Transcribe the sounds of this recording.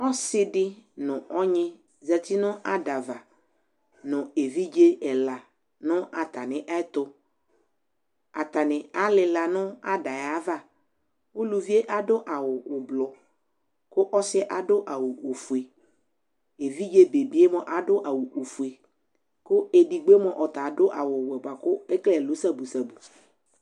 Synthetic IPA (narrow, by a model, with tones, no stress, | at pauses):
ɔ˦sɪ˦dɪ˦nʊ̃˨ɔ˦ɲɪ̃˦ | za˨t̪ʰi˦nʊ̃˦ʔa˦da˨va˨ | nʊ̃˨e˨vi˦d͡ʒe˦ɛ˨la˨ | nʊ̃˦ʔa˨t̪a˨nɪ̃˨ʔa˦t̪ʊ˦ | a˨t̪a˨nɪ̃˨a˦lɪ˨la˨nʊ̃˦a˦da˨ja˨˦va˦˨ | wʊ˦lu˨vi˦e˦ʔa˦dʊ˦ʔa˨wʊ˨ʊ˨blɔ˨ | kʊ˦ʔɔ˦sɪ˦ʔa˨dʊ˦ʔa˨wʊ˨o˨fu˨e˨ | e˨vi˦d͡ʒe˦be˨bi˦e˦mɔ̃˨ʔa˨dʊ˦ʔa˨wu˨ʔo˨fu˨e˨ | kʊ˦e˨di˨ɡ͡be˦mɔ̃˨ʔɔ˨t̪a˨dʊ˦ʔa˨wʊ˨wɛ˨ba˨kʊ˦ɛ˦klɛ˨lu˨˦sa˦bu˨sa˨bu˨